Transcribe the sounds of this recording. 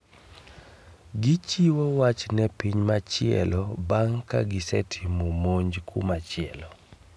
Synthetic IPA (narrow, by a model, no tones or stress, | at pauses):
ɡɪt͡ʃiwowat͡ʃnɛpiɲmat͡ʃɪɛ̰lɔbaŋka̰ɡɪsɛtʰimomoɲd͡ʒkʰṵmat͡ʃɪɛlɔ